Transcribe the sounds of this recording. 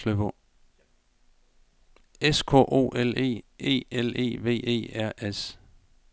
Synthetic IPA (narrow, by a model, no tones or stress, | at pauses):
løb̥ | eskʰɔ̰ʔo̝̰ːʔele̝̰ːe̝̰ːele̝̰ːʋe̝̰ːe̝̰ːæɐ̰ʔes